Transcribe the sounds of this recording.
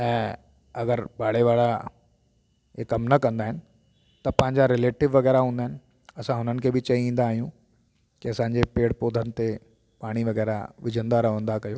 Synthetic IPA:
ɛ̃ː | ɐɡəɾbaːɽeʋaːɭa | ekɐmnɐkɐ̃nd̪aːɦɪnɪ̆ | t̪ɐpɐ̃ɦɪ̃ɲd͡ʑaɾɪleːʈɪʋʋːɐɣɛːɾaɦũːnd̪aɦɪnɪ̆ | ɐsãɦʊnənɪ̆kʰeːbɪt͡ɕɐiĩːn̆d̪aːɦijũ | kiɐsãːɲd͡ʑepeːɽpoːd̪ʱənɪ̆t̪e | paːɽ̃iʋɐɣɛːɾa̰ʋɪd͡ʑʱə̃nd̪aɾɐʋə̃nd̪akɐjoː

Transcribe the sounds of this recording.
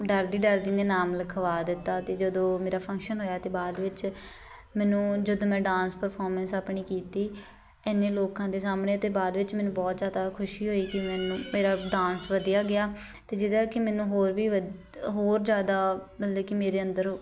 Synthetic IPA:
ɖəɾd̪iːɖəɾd̪ineːnaːmləkʰəʋaːd̪ɪt̪ːaːt̪eːd͡ʒəd̪õːmeːɾaːpʰə̃ŋkʃənɦoːjaːt̪eːbaːd̪ʋɪt͡ʃ | mɛːnũːd͡ʒəd̪õːmɛ̃ːɖãːnspəɾpʰɔːɾmə̃nsaːpɳiːkiːt̪iː | ɛːneːloːkãːd̪eːsaːmɳeːt̪eːbaːd̪ʋɪt͡ʃmɛːnũːbɔːt̪zjaːd̪aːkʰʊʃiːɦoːiːkɪmɛːnũːmeːɾaːɖãːnsʋəd̪ijaːɡɪjaː | t̪eːd͡ʒɪd̪aːkɪmɛːnũːɦoːɾʋiːʋə | ɦoːɾd͡ʒjaːd̪aːbəlleːkɪmeːɾeːənd̪əɾ

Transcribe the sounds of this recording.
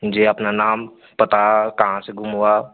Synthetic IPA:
d͡ʒeɐpnanaːm | pɐt̪akɐɦãseɡʱʊmɦua

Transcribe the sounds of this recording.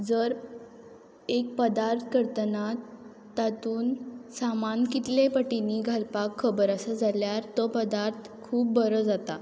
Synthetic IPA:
d͡zəɾ | ek̚pəd̪aɾt̪ʰkəɾt̪ənat̪ː | at̪uːnsamankit̪lepəʈiniɡʱalpakʰːəbəɾəsəd͡zʱaljaɾt̪ɔpəd̪aɾt̪ʰkʰuːp̚bəɾəd͡zat̪a

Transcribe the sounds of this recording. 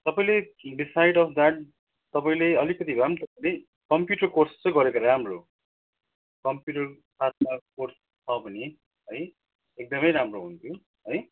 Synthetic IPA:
t̪ʌpaĩleɖisajɖʌpʰd̪aʈ̚ | t̪ʌpaĩleʌlikʌt̪ibamt̪ʌpaĩle | kʌmpjuʈʌrkorst͡sʌ̃ɡʌɾekoɾamro | kʌmpjuʈʌr | sat̪̚ʰmakors | t͡sʰʌbʌni | ɦʌj | ek̚d̪ʌmʌjɾamroɦunt̪ʰjo | ɦʌj

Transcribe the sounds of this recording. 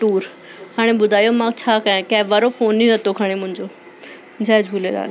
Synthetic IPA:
ʈuːɾ | haːɽ̃ẽbʊd̪ʱaːjomãːkt͡ɕʰaːkɐjãkãɦʋɐɾofoːniɾɐt̪okʰaːɽ̃emʊ̃ɦɪ̃ɲd͡ʑoː | d͡ʑʱaːd͡ʑʱuːleɾa̰ːl

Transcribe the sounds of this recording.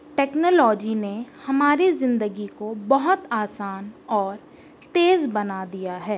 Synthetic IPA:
ʈɛːknoːlɔːd͡ʒinehɐmaːɾizɪ̃nd̪əɡikobɐɦʊt̪aːsaːnɔːɾ | t̪eːzbɐnad̪ijaɦɛː

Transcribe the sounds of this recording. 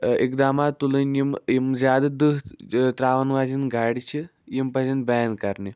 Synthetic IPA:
ikd̪aːmaːt̪ːulɨnjimjimzʲaːd̪ɐd̪ɨɦt̪ɾaːʋɐnʋaːzinɡaːɽit͡ʃʰi | jimpɐzɐnbajnkɐɾni

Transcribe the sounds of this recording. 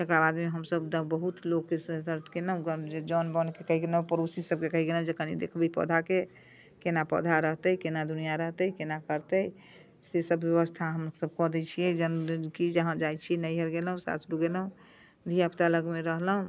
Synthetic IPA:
t̪ekɾabad̪meɦəmsəbd̪əbbəɦut̪lokːesət̪əɾʈ̪kenəũɡd͡ʒed͡ʒɔnbənkekəɦiɡeləɦũpəɾosisəb̚kekəɦiɡeləɦũd͡ʒekənid̪ḛkʰbipə̰d̪ʱake | kenapə̰d̪ʱaɾəɦt̪əikenad̪unijaɾəɦt̪əikenakəɾt̪əi | sesəbjəβəst̪ʰaɦəmsəb̚kɔd̪ɛt͡ʃʰijɛd͡ʒənkid͡ʒəɦãd͡ʒajt͡ʃʰinəjɦeɾɡelɦũsa̰sɾuɡelɦũ | d̪ʱiapt̪aləɡmeɾəɦləɦũ

